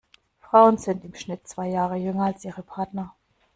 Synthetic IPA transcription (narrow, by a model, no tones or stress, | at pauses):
fʁ̥aʊənzɪntɪmʃnɪtt͡sv̥aɪjaːʁ̞əjʏŋɐalsʔiːʁəpʰaɐtnɐ